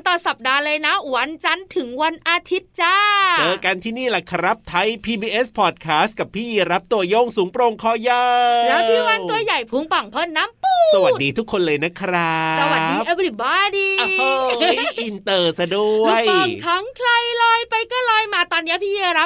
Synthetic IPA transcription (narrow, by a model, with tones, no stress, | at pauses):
nt̪ɔː˨˩sa˨˩p̚daː˧lɤː˧jna˦˥wa˧nt͡ɕa˧nt̪ʰɯ˩˦ŋwa˧nʔaː˧t̪ʰi˦˥t̪̚t͡ɕaː˥˩t͡ɕɤː˧ka˧nt̪ʰiː˥˩niː˥˩lɛ˧˩kʰa˧ɾa˦˥p̚t̪ʰa˦˥jpʰiː˧biː˧ʔe˦˥spʰɔː˨˩t̪̚kʰaː˦˥st̪̚ka˨˩pʰːiː˥˩ji˧ɾa˦˥p̚t̪u˧ɐjo˥˩ŋsuː˩˦ŋpɾo˧ŋkʰɔː˧˩jaː˧lɛː˦˥wpʰiː˥˩wa˧t̪u˧ɐja˨˩jpʰu˨˧˥ŋpa˨˩ŋpʰɤː˥˩nːaː˦˥mpuː˨˩sa˧wa˨˩diː˧t̪ʰu˦˥kʰːo˧nlɤː˧jna˦˥kʰɾa˦˥˦sa˧wwa˨˩t̚diːʔa˧˥p̚li˨˩baː˧˩˧diː˧ʔi˧nt̪ɤː˧˩sa˧du˩˧˩ə˧jɔ˨˩k̪ʰa˦˥ŋkʰla˧jlɔː˧jpa˧jkɔː˥˩lɔː˧jmaː˧t̪ɔː˧nːi˦˥ɐpʰiː˥˩jiː˧ɾa˦˥p